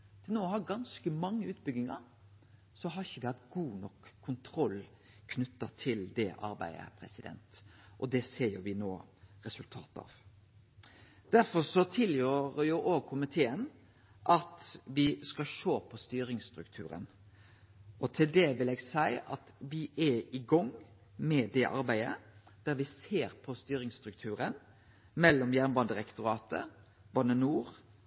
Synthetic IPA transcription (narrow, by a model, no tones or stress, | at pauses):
t̪ʰɪlnoːhɑɡɑnskəmɑŋːəʉːt̪̚bʏɡ̪ɪŋɑ̰ɾ | sɔɦɑɾɪçəd̪ɛhɑt̪ɡuːnɔkʰːʊnt̪ʰɾɔlː | kʰnʉt̪ːɑt̪ʰɪld̪ɛʔɑ̰ɾbæ̰ɪə̰pʰɾɛsɪd̪ɛ̰nt̪ʔɔd̪ɛseːɾjʊʋɪnoːɾɛsʉlt̪ʰɑ̰ːt̪ɑ̰ːʋ | d̪̥æɾfɔsɔt̪ʰɪljøːɾjuʔoːɡ̚kʰʊmɪt̪ʰeːən | ʔɑt̪ʋɪskɑʃoːpʰɔst̪yːɾɪŋst̪ɾʉkt̪ʰʉ̰ːɾə̰n | ʔɔt̪ʰɪld̪ɛʋɪlɛːɡsæɪʔɑt̪ʋɪʔæɪɡɔŋː | mɛd̪ɛʔɑ̰ɾbæɪə̰d̪̥æɾʋɪseːɾpʰɔst̪yːɾɪŋst̪ɾʉkt̪ʰʉːɾən | mɛlːɔmjæʁnbɑnd̪əɾɛkt̪ʊɾɑːt̪ə̰ | bɑnənuːʁ